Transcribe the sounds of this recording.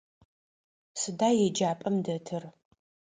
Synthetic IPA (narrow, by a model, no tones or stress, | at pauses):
sɨdaːjɛd͡ʒaːpʼɐmdɐtʰɨr